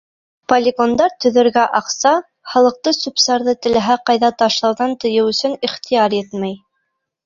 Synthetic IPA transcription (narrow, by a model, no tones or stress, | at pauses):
polʲɪɡond̪ɑɾt̪ɵ̆ðɘ̆ɾɡæʔɑqsɑ | χɑlˠɤ̆q̚t̪ɤsupsɑɾðɤt̪ɘ̆læɦæqɑjðɑt̪ɑʃlˠɑwðɑnt̪ɤ̆jɘwɵ̆sɵniχt̪ijɑɾjɛt̪mæj